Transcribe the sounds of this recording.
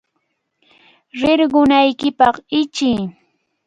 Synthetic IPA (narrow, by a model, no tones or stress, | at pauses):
ɾɪɾɢʊnajkɪpɑχɪt͡ʃɪː